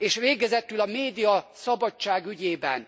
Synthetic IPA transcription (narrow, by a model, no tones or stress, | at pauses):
eːʃʋeːɡɛzɛt̪ylɒmeːd̪ijɒsɒbɒt͡ʃt͡ʃːaːɡyɟeːbɛ̰n